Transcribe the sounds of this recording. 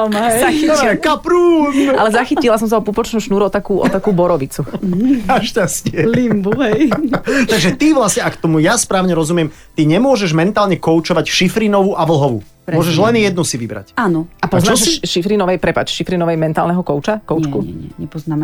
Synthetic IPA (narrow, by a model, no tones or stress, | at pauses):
maaikapɾuːna̰lɛzaxicilas̬ɔms̬aɔpupɔt͡ʃnuːʃnuːɾuɔt̪akuːʔɔ̰t̪akuːbɔɾɔʋit͡suaʃcascɪɛlimbuɦɛjt̪aɡʒɛt̪iʋlasɲɛakt̪ɔmujaspɾaːʊɲɛɾɔzumɪɛm | t̪iɲɛmʊɔʒɛʒmɛnt̪aːlɲɛkɔʊt͡ʃɔʋacʃifɾinɔʋuʔaʋl̩ɦɔʋṵː | mɾʊɔʒɛʒlɛnjɛd̪̚nusiʋibɾa̰caːnɔʔapɔznːʃʃifɾinɔʋɛjpɾɛpa̰ːt͡ʃʃifɾinɔʋɛjmɛnt̪a̰ːlnɛɦɔkɔʊt͡ʃakɔʊt͡ʃkuɛɲɛpɔznam